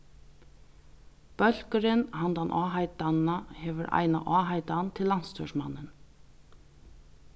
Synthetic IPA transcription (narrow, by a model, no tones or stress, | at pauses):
pœl̥kəɾɪnɦant̪anʔaːɦajt̪annahɛʋʏɾʔa̰jna̰ʔaːɦajt̪ant̪ʰɪlːanst̪ʰœʂma̰nːɪn